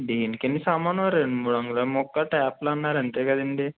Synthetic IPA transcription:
ɖiːnkenːisaːmaːnʋɐɾeɳɖumuːɽɐŋɡlomɔkːɐʈɛːplɐnːaːɾɐnt̪eːkɐd̪iɳɖi

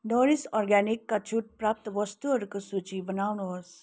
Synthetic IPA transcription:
nɔɾisɔɾɡɛnikːat͡ʃʰuʈ̚pɾap̚t̪ʋɔst̪uəɾkəsut͡ʃibənawɳoɾs

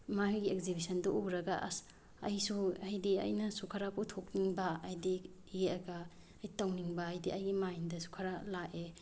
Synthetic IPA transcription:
maɦujɡiekzibisɐndɔʔuɾɐɡa̰ | ɐ̰jsuɐjdiɐ̰jnɐsukʰaɾapʰutʰokniŋbɐːjdi | jeɐɡa | ɐjtawniŋbɐːjdiʔɐjɡimajndɐsu̥kʰaɾalaʔe

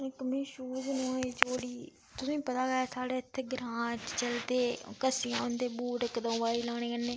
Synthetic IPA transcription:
ɪkəmĩːʃuːd͡ʒnũːeːd͡ʒoːɽiː | t̪ʊsĩːpət̪aːɡəaːsaːɽeːɪt̪ʰːeːɡɾãːt͡ʃt͡ʃəlt̪eːkəsiã̰ːnd̪eːbuːɾəkd̪ə̃ːʋaːiːlaːɽ̃eːkənːeː

